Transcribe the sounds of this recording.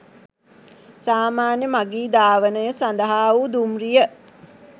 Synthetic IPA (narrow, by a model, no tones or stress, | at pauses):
saːmaːnjəmaɡiːd̪aːʋənəjəsand̪əɦaːud̪umrijə